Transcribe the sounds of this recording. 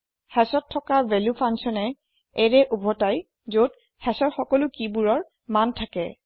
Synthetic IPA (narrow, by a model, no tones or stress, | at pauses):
hɛsɔtʰːɔkabɛlupʰansɔnɛ | eɹɛʔubʱɔtaj | zot̚ | hɛsɔɹxɔkɔlʊkibuɹɔɹ | mantʰakɛ